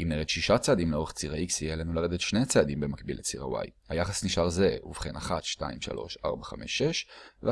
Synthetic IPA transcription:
ʔimniet̪ʃiʃat͡saːd̪imleo̞ʁeχt͡siʁaiksijelenulaed̪etʃnet͡sead̪imbe̞makbḭlet͡siʁa̰wa̰jhajaχasniʃaʁze̞ṵv̥χenaχat̪ʃta̰imʃa̰lʔo̞̰ʃa̰ʁbaχa̰me̞̰ʃeʃve

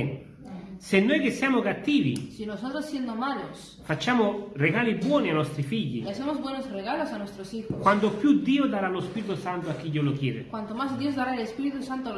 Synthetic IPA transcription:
senːojk̟esːjamokat̪ːiːvḭsinosot̪ɾosːjend̪omalos | fat͡ʃːamoreɣalibwɔːnianɔst̪ɾifiʎːḭlesemozbwenosreɣalosanwest̪ɾosixokwant̪opjud̪iːod̪aɾalospiɾit̪usant̪oakːiʎːolokjɛːɾḛkwant̪omazd̪jozd̪aɾaelespiɾit̪usant̪o

